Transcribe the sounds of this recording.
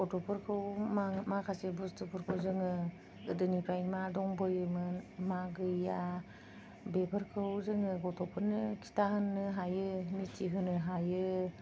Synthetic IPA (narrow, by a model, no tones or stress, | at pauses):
ɔtɔpʰɯɾkʰɯwmamakʰasebɯstɯpɯɾkʰɯwzɯŋɯ | ɯdɯnipʰajmadɔŋbɔjɯmɯnmaɡɯja | bebʰɯɾkʰɯwzɯŋɯɡɔtɔpʰɯɾnɯkʰi̥taɦɯnːɯɦajɯnitʰiɦɯnɯɦajɯ